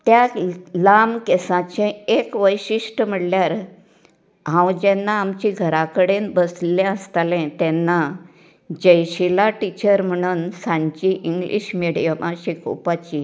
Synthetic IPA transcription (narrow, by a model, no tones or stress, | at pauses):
t̪jalamkesãt͡ɕẽekʋəjɕiʂʈəm̤əɽljaɾ | ɦãwd͡ʑɛnːaːmt͡ɕiɡʱəɾakəɽenbəslɛ̃əst̪alɛ̃t̪ɛnːa | d͡ʑəjɕilaʈit͡ɕəɾm̤əɽ̃uːnsãɲt͡ɕiʔiŋɡlʔḭɕmiɽijamʔaɕiko̰pat͡ɕi